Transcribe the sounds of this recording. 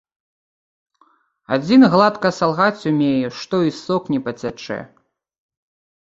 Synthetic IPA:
a̰d͡zʲinɣlˠat̪kɐsalˠɣat͡sʲumʲejɛʂt̪ɔisɔknʲipɐt͡sʲat͡ʂɛ̰

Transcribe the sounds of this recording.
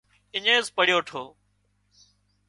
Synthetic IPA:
ɪɲẽːspəɽɪjoːʈʰoː

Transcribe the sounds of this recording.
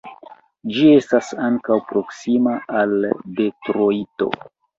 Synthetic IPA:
d͡ʒie̞stasaŋkawpɾo̞ksimaalde̞tɾoito̞̰

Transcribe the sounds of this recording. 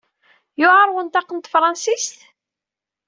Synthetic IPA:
jʊʁəɾˤwənt̪ɑqːənt̪fɾˤɑnsist̪

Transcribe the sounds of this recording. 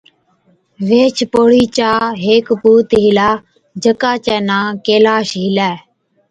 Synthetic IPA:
ʋeːt͡ʃʰpoːɽiːt͡ʃaːɦeːkpuːt̪ɦilaː | d͡ʒəkaːt͡ʃɛːnãːkeːlaːʃɦɪlɛː

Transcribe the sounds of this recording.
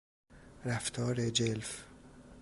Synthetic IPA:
ɾæft̪ʰɒːɾed͡ʒelf

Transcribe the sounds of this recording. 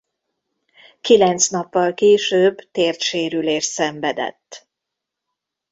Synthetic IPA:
kilɛnt̪snɒpːɒlkeːʃøːbt̪eːrt̪ʃeːɾyleːʃsɛɱvɛd̪ɛ̰t̪ː

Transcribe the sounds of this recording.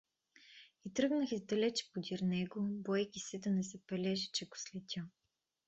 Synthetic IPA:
it̪ɾɤɡnəxizd̪ɐlɛt͡ʃɛ̥pod̪iɾnɛɡobɔjkʲisɛd̪ɐnɛsɛpɛlʲɛʒɛt͡ʃɛɡo̥slɛt̪ʲə

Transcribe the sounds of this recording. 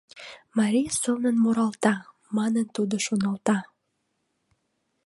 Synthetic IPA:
mɑɾʲijɑsonənmoɾɑlt̪ɑ | mɑnənt̪ud̪oʃonɑlt̪ɑ

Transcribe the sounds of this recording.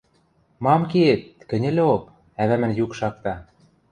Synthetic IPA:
mɑmkeet̪̚kɘ̆nʲɘ̆lʲĕok | æβæmɘ̆njukʃɑk̚t̪ɑ

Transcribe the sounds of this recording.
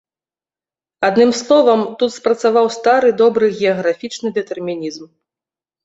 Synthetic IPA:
ad̪nɨmslˠɔvɐmt̪ut̪spɾɐt̪savawst̪aɾɨd̪ɔbɾɨɣʲɛɐɣɾafʲit͡ʂnɨd̪ɛt̪ɛrmʲinʲizm

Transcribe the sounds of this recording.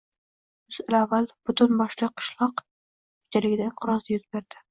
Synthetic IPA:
bʊzalavːalb̥ʊt̪ʊnbɒʃlˠɨqʰːɨ̥ʃlˠɒq | kʰʊ̥t͡ʃʰalɪɡʲɪd̪aɪɴqʰɨɾɒzd̪ajʊz̚beɾd̪̥ɪ

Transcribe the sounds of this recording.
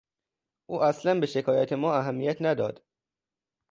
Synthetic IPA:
ʔuːʔæslænbe̞ʃe̞kʰɒːjæt̪ʰe̞mɒːæɦæmːijæt̪ʰnæd̪ɒ̰ːd̪̥

